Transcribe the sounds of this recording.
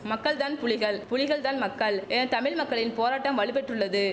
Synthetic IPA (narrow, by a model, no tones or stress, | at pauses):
mɐkːɐɭt̪aːnpʊɻɪɣɐɭpʊɻɪɣɐɭt̪aːnmɐkːɐɭɛnɐt̪ɐmɪɻmɐkːɐɭɪnpoːɾaːʈːɐmʋɐɭɪpɛʈrɯɭːɐðɯ